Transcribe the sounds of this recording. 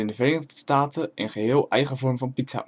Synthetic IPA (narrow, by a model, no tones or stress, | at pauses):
ɪndəvəreːnəχdəstaːtəʔənχəɦɪːlˠʔɛjχəvɔɹmvɑnpitsa̰